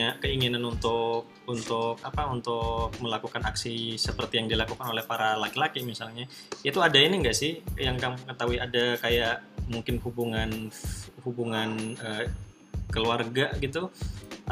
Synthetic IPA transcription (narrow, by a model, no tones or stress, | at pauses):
akəiŋinanunt̪ʊk̚unt̪ʊkapaunt̪ʊk̚məlakukanaksisəpərt̪ijaŋdilakukanolɛhpaɾalakilakimisalɲa | jait̪uadainiŋɡaʔsɪhjaŋkaŋəŋət̪aɦuiadakajaʔmuŋkɪnhubuŋanhubuŋanə | kəluarɡaɡit̪u